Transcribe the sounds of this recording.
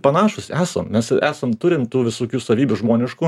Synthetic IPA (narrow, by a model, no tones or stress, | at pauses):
pɐnɑːʃʊsʲæːsɐmmʲɛsæːsɐmt̪ʊɾʲɪmt̪uːʋʲɪsoːkʲuːsɐʋʲiːbʲʊʒmoːnʲɪʃkuː